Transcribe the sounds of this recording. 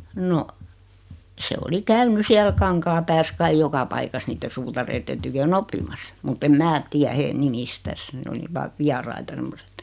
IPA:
no se oli kæyny siæl kɑŋkɑːpæːs kɑij jokɑ pɑikɑs niːtːe suːtɑreitːen tykøn opːimɑsːɑ̥ mutː em mæː tiæ heː nimistæs ne oli ʋɑːʋ ʋiɑrɑitɑ semːoset

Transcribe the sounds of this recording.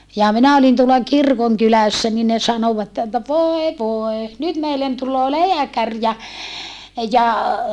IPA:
jɑ minæ olin tuolɑ kirkoŋkylæsːæ ni ne sɑnoʋɑtːe etːæ ʋoe ʋoe nyt meilːen tulˑoː leækær jɑ jɑ

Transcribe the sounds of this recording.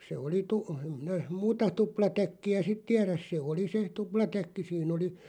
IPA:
se oli tu em minæ muːtɑ tuplɑtækːiæ sit tiæræs se oli se tuplɑtækːi siːn oli

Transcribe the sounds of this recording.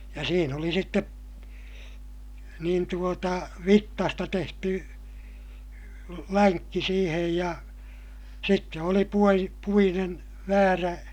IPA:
jɑ siːn oli sitːep niːn tuotɑ ʋitːɑstɑ tehty læŋkːi siːhej jɑ sitːe oli puoji puinen ʋæːræ

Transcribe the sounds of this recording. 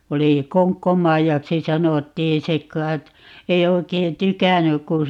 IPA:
oli koŋkːomɑijɑksi sɑnotːiː se kˑɑi̯t ei oi̯kei tykænːyk ku

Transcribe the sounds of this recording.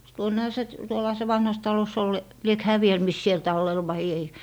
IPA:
tuonːehɑ se t tuolːɑhɑ se ʋɑnhɑs tɑlos ol liek hæː ʋiel mis siel tɑlːel ʋɑi ei

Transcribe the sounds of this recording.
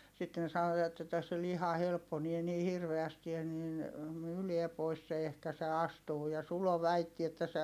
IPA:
sitːen sɑnoɑt etːæ se lihɑ helpːonie ni hirʋeæsti jɑ nin myːliɛ pois se ehkæ se ɑstuː jɑ sulo ʋæitːi etːæ se

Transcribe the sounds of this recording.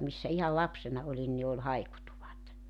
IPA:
misːæ ihɑl lɑpsenɑ olin ni ol hɑikutuʋɑt

